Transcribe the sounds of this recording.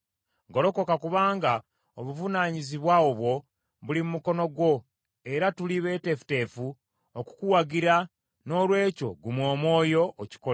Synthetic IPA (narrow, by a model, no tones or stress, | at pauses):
ɡo̞ɾo̞ko̞kakuβaːŋɡa | oβuvunaɲiziβwaoβwo̞ | βulimumuko̞no̞ɡwo̞ | e̞ɾatuliβe̞ːte̞fu̥te̞fu | oku̥kuwaɡiɾa | no̞ːlwe̞ːco̞̰ɡumwo̞ːmwo̞ːjo̞ʔːci̥kola